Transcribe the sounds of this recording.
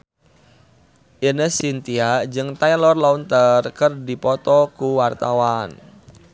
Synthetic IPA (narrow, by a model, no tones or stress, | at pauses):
ʔinəhsint̪iad͡ʒɨŋt̪ajlɔrlɔunt̪ərkɨrdipɔt̪ɔkuwart̪awan